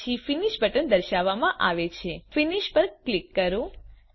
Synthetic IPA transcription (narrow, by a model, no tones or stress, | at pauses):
ifiniʃbʱəʈənd̪əɾʃaʋːamãʔaʋet͡ʃʰefiniʃpəɾklikːəɾũ